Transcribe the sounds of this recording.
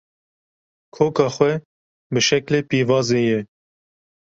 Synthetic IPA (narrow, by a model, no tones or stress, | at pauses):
kʰoːkɑːxwɛ | bəʃɛkleːpiːvɑːzeːjɛ